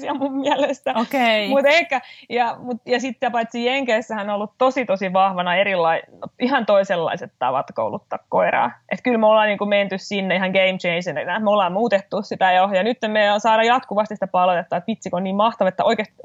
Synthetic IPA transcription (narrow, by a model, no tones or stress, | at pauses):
siɑmummiælest̪æokeimut̪ehkːæjɑmut̪jɑsit̪ːæpɑit̪sijeŋkeːsːæhænonolːut̪t̪osit̪osiʋɑhʋɑnɑeɾilːɑiihɑnt̪oiselːɑ̰iset̪t̪ɑ̰ʋɑ̰t̪ko̰ṵlut̪ːɑːkkoirɑ̰ːʔet̪kylmolːɑːniːŋkument̪yssinːeihɑŋɡ̥eimt͡ʃeinsennæmolːɑːmmuːt̪et̪ːussit̪æjojɑnyt̪ːemmeonsɑːɾɑjɑt̪kuʋɑst̪isi̥t̪æpɑlot̪et̪ːɑːet̪ʋit̪sikoniːmmɑht̪ɑʋɑet̪ːæʔoikeˑst̪